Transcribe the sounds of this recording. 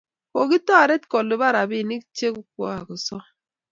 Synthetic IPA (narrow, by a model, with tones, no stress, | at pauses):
ko˨ki˦tɔ˦a˨ɾe˦tkɔ˨lːi˨ba˦ɾa˨bi˦˨ni˦kt͡ʃe˦ku˦kʷɔ̰˦a˨ku˨sɔ˦